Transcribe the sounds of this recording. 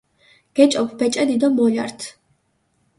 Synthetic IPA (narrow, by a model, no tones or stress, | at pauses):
ɡ̥ɛt͡ʃʼɔpʰbɛt͡ʃʼɛd̪id̪ɔmɔʎaɾt̪ʰ